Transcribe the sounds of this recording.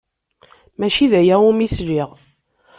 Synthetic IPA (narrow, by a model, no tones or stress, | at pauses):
mæʃiðæjæumisliʁ